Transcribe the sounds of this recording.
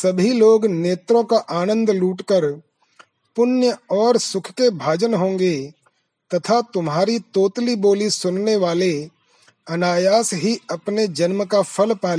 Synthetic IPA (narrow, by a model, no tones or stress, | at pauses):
sɐbʱiloːɡneːt̪ɾõkaʔaːnə̃nd̪luːʈkəɾ | pʊnjəɔːɾsʊkʰkebʱaːd͡ʒənɦõːŋɡe | t̪ɐt̪ʰat̪ʊmɦaːɾit̪oːt̪liboːlisʊnneʋaːle | ɐnaːjaːsɦiɐpned͡ʒɐnmkapʰəlpaːl